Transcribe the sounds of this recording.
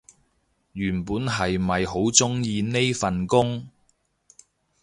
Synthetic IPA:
jyː˨˩npuː˨˥nɦɐ˨jmɐ˨jho˨˥wt͡sʊ˥ŋjiː˧ne˥jfɐ˨nkʊ˥ŋ

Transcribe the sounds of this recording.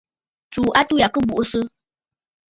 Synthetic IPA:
t͡su˨ʔa˦tu˦ja˨kɨ˦bu˨ʔsɨ˦

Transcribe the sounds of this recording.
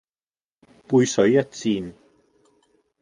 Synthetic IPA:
puː˧jsɵ˨˥ɥjɐ˥t̚t͡siː˧n

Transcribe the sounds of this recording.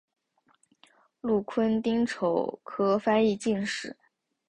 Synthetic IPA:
lu˥˩kʰwə˥nt̪i˥ŋʈ͡ʂʰo˨˩ʊkʰɤ˥fa˥ni˥˧t͡ɕi˥˧nʂɻ̩˨˩˦

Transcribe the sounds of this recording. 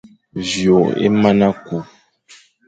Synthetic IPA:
vjo˨ḛ˦ma˦na˦ku˨

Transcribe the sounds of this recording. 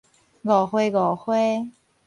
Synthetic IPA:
ɣɔ˨˩xwe˥ɣɔ˨˩xwe˥˦

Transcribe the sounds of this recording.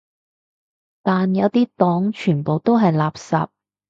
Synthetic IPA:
t̪aː˨njɐ˨˧wt̪iː˥t̪ɔː˨˥ŋt͡ʃʰyː˨˩npo˨wt̪o˥wɦɐ˨jlaː˨p̚sa̰ː˨p̚

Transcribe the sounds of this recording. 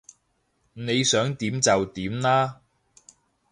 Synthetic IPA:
ne˨˧jsœː˨˥ŋt̪iː˨˥mt͡sɐ˨wt̪iː˨˥mnaː˥

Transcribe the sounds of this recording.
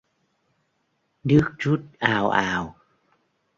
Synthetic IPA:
ɗɨ˦˥ək̚t͡ɕu˦˥t̚ʔaː˨˩wʔaː˨˩w

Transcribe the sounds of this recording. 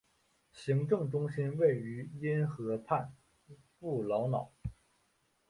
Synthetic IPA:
ɕi˧˥ŋʈ͡ʂɤ˥˩ŋʈ͡ʂʊ˥ŋɕi˥nwe˥˩ɪy˧˥i˥nxɤ˧˥pʰa˥˧n | pu˥˩lɑ˧˥ʊnɑ˨˩˦ʊ

